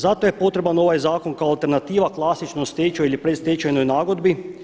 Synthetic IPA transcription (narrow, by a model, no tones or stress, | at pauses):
zat̪ojepo̞t̪ɾe̞bano̞ʋajzaːko̞nkaoalˠt̪e̞ɾnat̪iːʋaklˠasit͡ʃnost̪et͡ʃoilipɾed̪st̪et͡ʃajnojnaːɡod̪bi